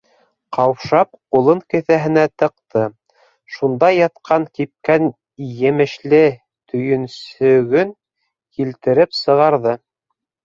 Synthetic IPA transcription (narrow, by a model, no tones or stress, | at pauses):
qɑwpʃɑp̚qulˠɤŋkɘ̆θæɦɘ̆næt̪ɤ̆qt̪ɤ | ʃund̪ɑjɑt̪qʰɑŋkip̚kæn | jɘ̆mɘ̆ʃlɘ | t̪ʰɵ̆jɵ̆nsɵ̆ɡɵn | kilt̪ɘ̆ɾɘpsɤ̆ʁɑɾðɤ